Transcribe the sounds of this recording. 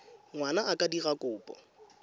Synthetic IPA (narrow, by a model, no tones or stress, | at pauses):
ŋwanaʔakʼadirakʼʊːpʼɔ̰